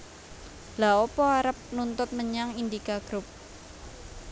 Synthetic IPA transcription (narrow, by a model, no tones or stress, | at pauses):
laɔpɔaɾəp̚nunt̪ʊt̪̚məɲaŋind̪ikaɡ̥ɾʊp̚